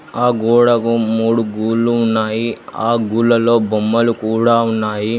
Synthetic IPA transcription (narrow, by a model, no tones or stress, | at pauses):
aːɡuːɽɐkumuːɽuɡuːlːuːnːaːjiaːɡuːlːɐlo̞ːbomːɐlukuːɽaːunːaːji